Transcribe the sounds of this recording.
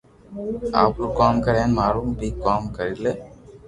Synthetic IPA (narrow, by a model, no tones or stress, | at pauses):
a̰pɾukaːmkɐɾeːnmaːɾumbiːkaːmkɐɾile